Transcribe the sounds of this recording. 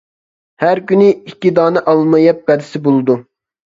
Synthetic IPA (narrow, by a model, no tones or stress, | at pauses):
hæɾkʲynɪikʲːid̪ɑːnɨʔɑlˠmɑjɑp̚bɛd̪ɪsɪbolˠɨd̪u